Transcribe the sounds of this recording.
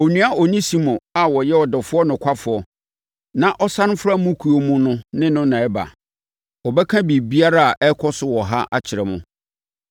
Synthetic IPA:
o˨nũ˦a˦ɔ˨ɲĩ˦sĩ˨mʊ̃˨a˨wɔ˨jɛ˦ɔ˨dɔ˨fʊ˦ɔ˦nʊ̃˨kʷʰa˦fʊ˨ɔ˨ | nã˦ʔɔ˦sã˦n˦fɾa˦mũ˦kʰu˨o˨mũ˦nʊ̃˦nɪ̃˦nʊ̃˦nã˨ɛ˦ba̰˨ | wɔ˨bɛ˦kʰã˦bi˨bi˦a˦ɾa˦a˨ʔɛ˦kʰɔ˦sʊ˦wɔ˨ɦa̰˦ʔa˦t͡ɕʰɪ˨ɾɛ˨mʊ̰̃˦

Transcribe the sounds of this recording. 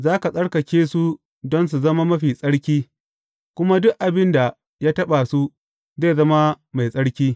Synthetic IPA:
zaː˦ka˨sʼɐ˦ɽkɐ˨kʲeː˦su˦ | dɔ˦ns̬u˨zɐ˦ma˦mɐ˦ɸiː˨sʼɐ˦ɽkʲiː˦ | kʷʊ˦ma˦dʊ˦kʔa˨bɪ˦nda˨ | jaː˦tɐ˦ɓa˨su˦ | ze˦˨zɐ˦ma˦ | ma˨jsʼɐ˦ɽkʲiː˦

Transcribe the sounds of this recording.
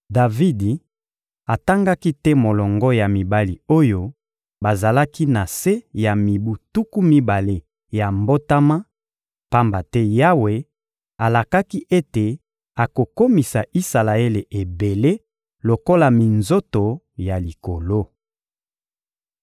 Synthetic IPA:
da˨vi˦di˨ | a˨ta˦ŋɡa˦ki˦tɛ˦mo˨lɔ˨ŋɡɔ˦ja˨mi˨ba˦li˨o˦jo˦ | ba˨za˨la˦ki˦na˨se˦ja˨mi˨bu˨tu˦ku˦mi˦ba˨le˦ | ja˨mbo˦ta˦ma˦ | pa˦mba˨tɛ˦ja˦we˨ | a˨la˨ka˦ki˦ʔe˦te˨ | a˨ko˨ko˦mi˨sa˨ʔi˦sa˨la˨e˦le˨ʔe˨be˨le˦ | lo˨ko˦la˨mi˨nzo˦to˨ | ja˨li˨ko˨lo˦

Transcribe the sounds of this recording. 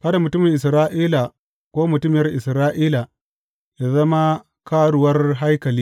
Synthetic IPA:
kɐ˦da˨mʊ˨tʊ˦mɪ˨ŋʔɪ˨s̬ɾaː˦ʔiː˦la˨ | kʷoː˦mʊ˨tʊ˦m˨jɐ˦rʔɪ˨sɾaː˦ʔiː˦la˨ | jaː˦zɐ˦ma˦ | kaː˦ɽʊ˨wɐ˦rɦa˦jkɐ˨liː˦

